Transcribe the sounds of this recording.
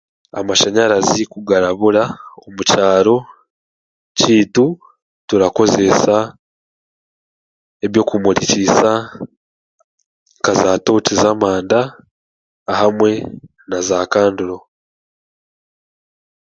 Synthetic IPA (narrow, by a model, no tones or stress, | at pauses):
a̰maʃaɲaɾazikuɡaɾaβuɾaomucaːɾo̞ | ciːtu | tuɾako̞ze̞sa | eβjo̞ːkumuɾicisa | ŋkazaːtoːcizamaːndaː | hamwe̞ | nazakaːnduɾo̞